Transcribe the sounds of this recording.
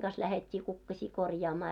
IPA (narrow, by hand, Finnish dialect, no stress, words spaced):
ɡ̊ɑs læhetʲːiː kukːɑsʲiː korjɑːmɑː